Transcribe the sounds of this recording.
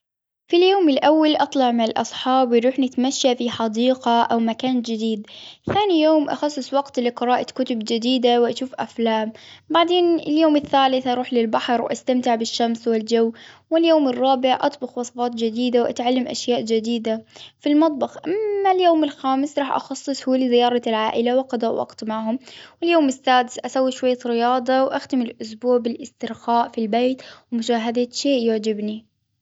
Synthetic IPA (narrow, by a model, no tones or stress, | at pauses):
filjoːmɪlʔawːalʔɑt̪ˤlɑʕmɪnɪlʔɑ̰sˤħɑːbɾuːħnɪt̪maʃːafiħɑd̪iːqaʔawmakaːnd͡ʒɪd̪iːd̪kːaːnijoːmʔa̰xɑsˤːɨsˤwɑɡt̪lɪqɨɾɑːʔakʊt̪ʊbd͡ʒɪd̪iːd̪awʔaʃuːfʔaflaːmbaʕd̪eːnɪljoːmɪθːaːlɪθʔɑɾˤuːħlɪlbaħɾw̰ʔa̰st̪amt̪ɪʕbɪʃːamswɪld͡ʒawːwɪljoːmɪrˤːɑːbɪʕʔɑ̰t̪ˤbʊxwɑsˤfɑːt̪ˤd͡ʒɪd̪iːd̪awʔa̰t̪ʕalːamʔa̰ʃjaːʔd͡ʒɪd̪iːd̪afilmɑt̪ˤbɑxʔamːaljoːmɪlxaːmɪsɾˤɑːħʔɑ̰xɑsˤːɨsˤhulɪzɪjɑːɾˤɑlʕaːʔɪlawɑqɑd̪ˤaːʔwʔɑ̰qt̪maʕɦʊmwɪljoːmɪsːaːd̪ɪsʔasawːiʃwajːaɾɪjɑːd̪ˤɑwʔaxt̪ɪmɪlʔʊsbuːʕbɪlʔɪst̪ɪɾxaːʔfilbeːt̪wmʊʃaːɦad̪aʃeːʔjʊʕd͡ʒɪbni